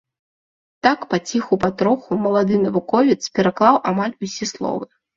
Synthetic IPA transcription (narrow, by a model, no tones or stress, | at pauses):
t̪akpat͡sʲixupat̪ɾɔxumɐlˠad̪ɨnɐvukɔvʲit̪spʲɛɾaklˠawʔamalʲusʲislˠɔ̰vɨ